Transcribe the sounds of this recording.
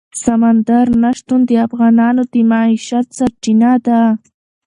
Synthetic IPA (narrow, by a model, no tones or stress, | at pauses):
samand̪aɾnaʂt̪ʊnd̪ɪafɣanaːnʊt̪ɪmaiʃat̪̚t͡saɾt͡ʃɪnad̪a